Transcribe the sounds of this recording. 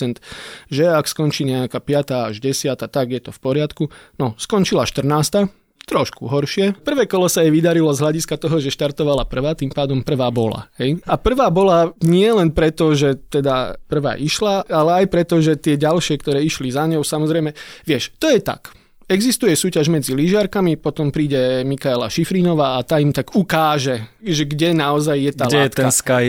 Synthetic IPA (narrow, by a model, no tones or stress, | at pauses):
ɛnt̪ʒɛakskɔnt͡ʃiːɲɛakaːpɪat̪aːaʒɟɛsɪat̪at̪aɡjɛt̪ɔfpɔɾɪat̪kunɔskɔnt͡ʃilaʃt̪r̩naːst̪a | t̪ɾɔʃkṵɦɔɾʃɪɛpr̩ʋɛːkɔlɔsajɛʋid̪aɾilɔzɦʎaɟiskat̪ɔɦɔʒɛʃt̪aɾt̪ɔʋalapr̩ʋaːt̪impaːd̪ɔmpr̩ʋaːbɔla̰ɦɛjapr̩ʋaːbɔlaɲɪɛlɛnpɾɛt̪ɔʒɛt̪ɛd̪a̰pr̩ʋa̰ːʔiʃlaalɛajpɾɛt̪ɔʒɛt̪ɪɛɟalʃɪɛkt̪ɔɾɛːiʃlizaɲɔʊsamɔzɾɛjmɛʋɪɛʃt̪ɔjɛt̪a̰k | ɛɡzist̪ujɛsuːcaʒmɛd͡ziliʒɪaɾkamipɔt̪ɔmpɾiːɟɛmikaɛla̰ʃifɾiːnɔʋaːat̪aːimt̪aɡukaːʒɛʒɛɡɟɛnaɔzajːɛt̪ɡ̪aːlɛjːɛt̪ɛanskaj